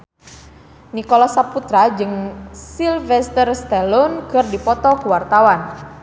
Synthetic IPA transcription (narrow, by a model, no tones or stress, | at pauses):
nikɔlɔsaput̪ɾad͡ʒɨŋsilvɛst̪ərst̪ɛlɔnkɨrdipɔt̪ɔkuwart̪awan